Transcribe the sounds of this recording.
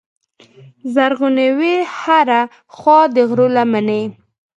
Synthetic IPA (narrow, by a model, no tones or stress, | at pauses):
zaɾɣunewehaɾa | xwɑd̪əɣɾolamane